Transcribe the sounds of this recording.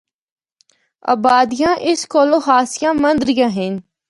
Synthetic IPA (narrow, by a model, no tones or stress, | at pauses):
ɐ̰baːd̪ijãːʔɪskoːloːɦaːsɪjãːmɐ̃nd̪ɾijãːɦɪn